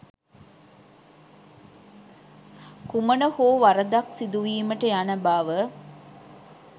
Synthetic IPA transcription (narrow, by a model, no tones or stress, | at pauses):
kumənəhoːʋaɾɐd̪aksid̪uʋiːməʈəjanɐbaːʋə